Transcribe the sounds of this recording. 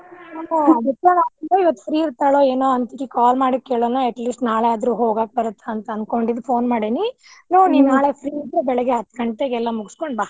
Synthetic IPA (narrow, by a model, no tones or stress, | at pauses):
anoːɐd̪ɐkːalaːɡiloiʋɐt̪ːu̥pʰɾiːiɾt̪aːɭoːeːnoːɐnt̪iɾikaːlmaːɽikːeːɭonoːeʈlisʈnaːɭeaːd̪ɾuɦo̞ːɡaːk̚bɐɾut̪ʰːaɐnt̪ɐɐnd̪ko̞ɳɖid̪ːpʰo̞ːnmaːɽini | noːniːʋnaːɭepʰɾiːiɾd̪ɾubɛɭɛɡeɦɐt̪ːkɐɳʈʈ̪ːeɡɛlːɐmuɡuskoɳɖbaː